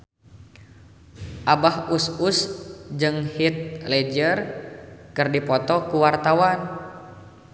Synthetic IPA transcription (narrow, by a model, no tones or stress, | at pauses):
ʔabahususd͡ʒɨŋhit̪̚lɛd͡ʒərkɨrdipɔt̪ɔkuwart̪awan